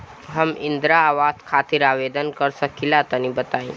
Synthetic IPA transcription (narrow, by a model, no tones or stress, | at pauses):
ɦəmɪ̃nd̪ɾaːʋaːskʰaːt̪iɾaːʋeːd̪ənkəɾsəkilat̪ənibət̪aːĩ